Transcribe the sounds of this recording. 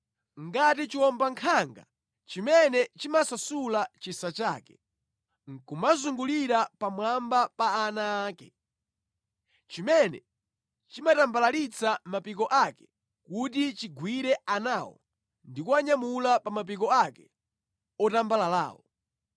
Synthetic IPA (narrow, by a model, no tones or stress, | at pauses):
ŋɡat̬it͡ʃiwɔmbaŋkʰaŋɡa̰ | t͡ʃimɛnɛt͡ʃimasasulat͡ʃisat͡ʃa̰ːkɛ | ŋ̩kumazuŋɡuliɾapamwambapaːnaːkɛ | t͡ʃimɛnɛ̰ | t͡ʃimatambalalit͡samapik̬ɔʔakɛ̥ | kut̬it͡ʃiɡwiɾɛanawɔ̰ | ndikuaɲamulapamap̬ik̬ɔakɛ | ɔtambalala̰ːwɔ